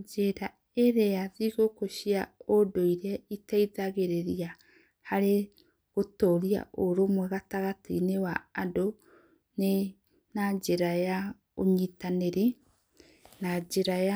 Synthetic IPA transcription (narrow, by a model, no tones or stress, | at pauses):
d͡ʒeɾa | eɾeaðiɣokoʃiaodoiɾɛitaiðaɣeɾeɾia | haɾe | ɣotoɾia̰ʔoɾomwɛɣataɣatinewaːdo | ne | nad͡ʒeɾaja | oɲitaneɾe | nad͡ʒeɾaja